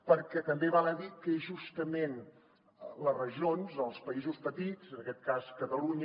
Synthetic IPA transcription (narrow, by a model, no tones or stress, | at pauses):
pəɾkɛt̪əmbeβanəðikəeʒust̪əmen | lərəʒonzəlˠspəizuspət̪id͡zənəkɛt̪̚kaskət̪əluɲ